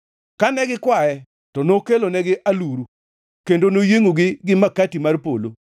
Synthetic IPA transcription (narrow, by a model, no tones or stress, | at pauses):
kanɛɡɪkwajɛ | tɔnokelonɛɡɪʔaluɾu | kendonojeŋoɡɪɡɪmakatimarpolo